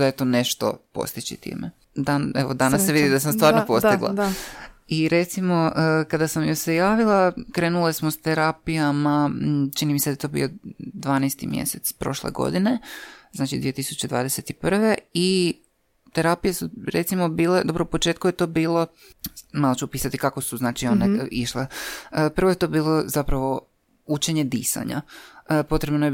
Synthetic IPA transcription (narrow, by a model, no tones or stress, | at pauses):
d̪ajet̪oːneʃt̪o̰po̰st̪it͡ɕḭt̪ḭːmḛ | d̪aneʋod̪anasːeʋid̪id̪as̬amst̪ʋaːɾnopo̞st̪iɡlˠa̰ | iɾe̞t̪simo̞əkad̪asamjosejaːʋilˠakɾe̞ːnulesmost̪eɾapijamat͡ʃinimised̪aet̪o̞ːbḭjo̞d̪ʋaːnest̪imjḛset̪spɾo̞̰ʃlḛɡo̰d̪ine̞znaːt͡ʃid̪ʋije̞t̪isu̥t͡ɕe̞d̪ʋa̰ːd̪ese̞t̪ipr̩ʋe̞i | t̪e̞ɾapijesuɾet̪simo̞biːled̪o̞bɾoupo̞t͡ʃeːt̪kujet̪o̞ːbiːlˠo̞ | malˠot͡ɕupiːsat̪ikakosuznaːt͡ʃio̞neʔiʃlepr̩ʋojet̪o̞ːbiːlˠo̞zapɾaʋo̞ | ut͡ʃe̞ɲe̞d̪ḭːsa̰ɲa̰po̞t̪ɾe̞bnoje